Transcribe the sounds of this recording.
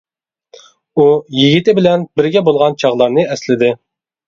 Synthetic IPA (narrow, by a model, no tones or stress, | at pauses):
ujiɡʲit̪ɪbɪlɛnbɪɾɡʲɛbolˠʁɑnt͡ʃʰɑʁlˠɑɾnɨɛslɪd̪ɪ